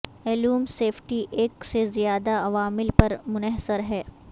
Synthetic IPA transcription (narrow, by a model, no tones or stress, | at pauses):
ɛːluːmseːfʰʈiʔeːksezijaːd̪aɐʋaːmɪlpɐɾmʊnɛɦsəɾɦɛː